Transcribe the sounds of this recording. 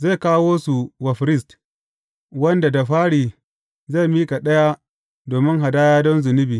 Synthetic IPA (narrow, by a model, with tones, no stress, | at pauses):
za˦˨kaː˦woː˦su˨wɐ˨ɸɾɪ˦st | wɐ˦nda˨da˨ɸaː˦ɽiː˨ | za˦˨miː˦ka˨ɗɐ˦ja˦ | doː˨mɪ˦ŋɦa˨daː˦jaː˦dɔ˦nzʊ˨nɪ˦biː˨